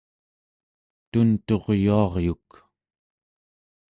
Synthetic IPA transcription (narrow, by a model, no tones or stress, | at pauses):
t̪unt̪o̞ʁjuɑʁjuk